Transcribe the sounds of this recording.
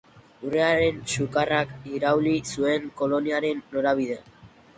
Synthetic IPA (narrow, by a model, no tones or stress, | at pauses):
ureaɾe̞nsukarakiɾawlisue̞ŋko̞lo̞niaɾe̞nːoɾaβ̞ið̞ea